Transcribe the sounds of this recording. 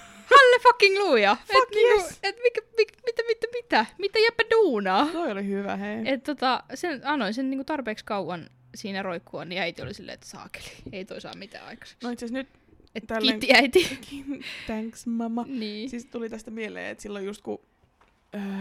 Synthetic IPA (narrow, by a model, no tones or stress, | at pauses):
hɑlːefɑkːiŋluːjɑet̪nniːkuet̪mikæmikmit̪æmit̪ːæmit̪æmit̪æjæpːæduːnɑːt̪oiolihyʋæ̰heiet̪t̪ot̪ɑsenɑnoisenniːŋkut̪ɑrpeːkskɑuʋɑn | siːnæroikːuɑniæit̪io̰lisilːḛːḛt̪sɑ̰ːke̥li̥eit̪oisɑ̰ːmmit̪æ̰ːɑ̰ikɑ̥se̥ksnoit̪sæsnyt̪ | et̪ælkiːiæit̪ikʰint̪æŋksmɑmɑniːsist̪ulit̪æst̪æmielḛːḛt̪silːojust̪ku | əː